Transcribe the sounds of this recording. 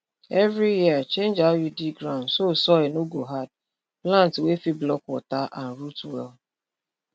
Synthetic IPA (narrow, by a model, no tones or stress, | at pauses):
ɛvɾijiat͡ʃẽnd͡ʒajudiɡɾãʊ̃ndsosɔɛnoɡoɦad̚ | plãntwefiblɔkwɔtaʔan̩ɾutwɛ̰l